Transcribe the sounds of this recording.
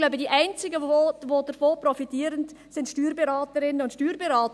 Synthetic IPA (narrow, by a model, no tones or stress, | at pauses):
laʊbədiːʔæɪnt͡sɪɡəoʋodəɾfoːpɾɔfitiːəɾənd | sɪntʃtyːɾbɛɾɑːtəɾɪnːəʊntʃtyːɾbɛɾɑːt